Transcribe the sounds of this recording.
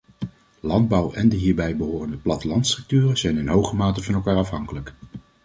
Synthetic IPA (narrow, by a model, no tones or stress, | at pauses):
lɑnd̚bɑwʔɛndəɦiːɹbɛjbəɦoːrəndəplɑtəlɑntstrɵk̚tyːrəz̥ɛjnɪnɦowχəmaːtəvɑnɛlˠkaːɹɑfɦɑŋkələk